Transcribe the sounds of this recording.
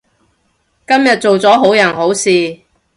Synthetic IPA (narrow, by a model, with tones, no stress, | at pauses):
kɐ˥mjɐ˨t̚t͡so˨wt͡sɔː˨˥ɦo˨˥wjɐ˨˩nho˨˥wsiː˨